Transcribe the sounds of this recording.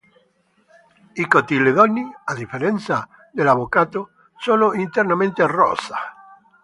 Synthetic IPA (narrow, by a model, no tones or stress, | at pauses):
ikot̪ileðɔnːiad̪ifeɾɛnt̪sa | d̪elaβokat̪o | sonoʔint̪ernamẽnt̪earːɔ̰sa